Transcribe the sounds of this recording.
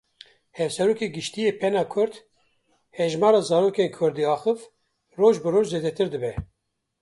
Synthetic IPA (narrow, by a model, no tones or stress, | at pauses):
hɛvsɛɾoːkeːɡɨʃt̪ijeːpʰɛnɑːkʰʊɾd̪ | hɛʒmɑːɾɑːzɑːɾoːkeːnkʰʊɾd̪iɑːxɨv | roːʒbɨroːʒzeːd̪ɛt̪ɨɾd̪ɨbɛ